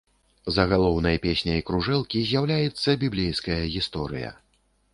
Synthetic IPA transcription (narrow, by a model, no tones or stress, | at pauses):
zɐɣalˠɔwn̪ɐjɐpʲesʲnʲɐjikɾuʐɛlˠkʲizʲjawlʲajɛt̪sːɐbʲiblʲejskɐjɐɣʲist̪ɔɾɨ̰jɐ̰